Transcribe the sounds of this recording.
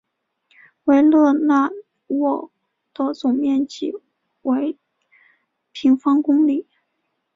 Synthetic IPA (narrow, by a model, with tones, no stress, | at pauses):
we˧˥ɪlɤ˥˧na˥˧ | wɔ˥˩ | t̪ɤ˧˥t͡sʊ˨˩ŋmjɛ˥˩nt͡ɕi˨˩ | we˧˥ɪ | pʰi˧˥ŋfɑ˥ŋkʊ˥ŋli˨˩˦